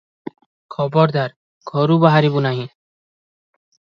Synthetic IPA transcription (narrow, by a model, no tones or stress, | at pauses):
kʰɔbɔɾd̪ʱaɾ | ɡʰʱɔɾubaɦaɾibunaɦĩ